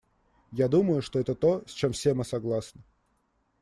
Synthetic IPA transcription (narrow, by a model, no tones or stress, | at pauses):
jad̪uməjʊʂt̪oɛt̪ət̪o̞sʲt͡ɕe̞mfsʲemɨsɐɡlˠasnə